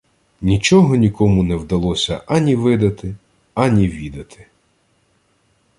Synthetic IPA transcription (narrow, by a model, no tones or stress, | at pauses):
nʲit͡ʃɔɦɔnʲikʰɔmunɛwd̪ɐlˠɔsʲɐʔɐnʲiʋɪd̪ɐt̪ɪ | ɐnʲiʋʲid̪ɐt̪ʰɪ̥